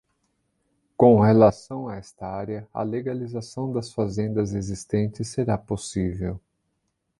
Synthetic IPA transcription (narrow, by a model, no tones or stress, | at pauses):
kõhelasɐ̃w̃aɛst̪ɐaɾeɐɐ̰leɡalizasɐ̃w̃d̪ɐsfazẽnd̪ɐzezist̪ẽnt͡ʃɪsːeɾaposivew